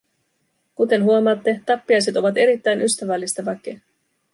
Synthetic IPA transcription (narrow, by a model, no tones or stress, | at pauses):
kut̪e̞nɦuo̞mɑːt̪ːe̞t̪ɑpːiɑjset̪o̞ʋɑt̪e̞ɾit̪ːæjnʔyst̪æʋælːist̪ɑʋɑk̟ːe